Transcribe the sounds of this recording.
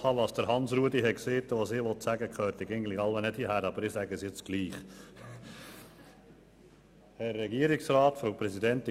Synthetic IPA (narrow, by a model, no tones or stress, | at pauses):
ɑːʋɑːsd̥əɾhɑnsɾuədiɦɛkseːt̪ːəʋosɪːʋɔt̪sæɡəkχœːɾt̪ɪɡɛɡŋn̩tlɪɑlʋɛnɛthiəhæɾɑb̥əɾɪsæɡəsjɪt͡sɡ̥liːχ | hæɾːɛɡiəɾɪksɾɑːt̪fowpɾɛsid̪ɛnt̪ɪ